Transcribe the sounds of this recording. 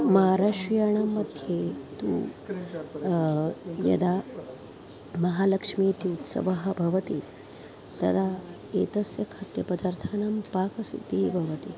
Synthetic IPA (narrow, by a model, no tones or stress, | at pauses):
mɐɦaɾaːʃjaːɳ̃amːɐd̪ʱjet̪ṵː | jɐ̰d̪aː | mɐɦaːlɐkʂmiːt̪iut̪sɐ̰ʋɐɦɐbʱɐʋɐt̪i | t̪ɐ̰d̪a | eːt̪ɐsjɐkʰɐt̪jɐpɐd̪ɐɾt̪ʰaːnaːmpaːkɐsḭt̪eːbʱɐʋɐt̪i